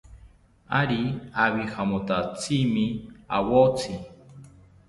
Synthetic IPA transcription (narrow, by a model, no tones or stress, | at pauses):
aɾiaβihamot̪at͡sʰimia̰wot͡sʰi